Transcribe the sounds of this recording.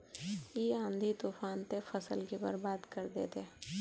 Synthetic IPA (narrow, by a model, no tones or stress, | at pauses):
iːãːnd̪ʱit̪uːfaːnt̪efəsəlkibə̰ɾbaːd̪kəɾd̪ḛːt̪e